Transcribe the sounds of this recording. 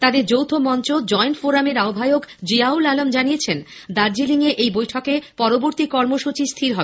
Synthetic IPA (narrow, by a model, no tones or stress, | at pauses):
t̪ad̪eɾd͡ʑowt̪ʰomɔnt͡ɕod͡ʑɔenfoɾameɾaobʱajokd͡ʑiaulalomd͡ʑanijet͡ɕʰen | d̪aɾd͡ʑiliŋeʔejbojʈʰɔkepɔɾoboɾt̪ikɔɾmoʃut͡ɕist̪ʰiɾɦɔbe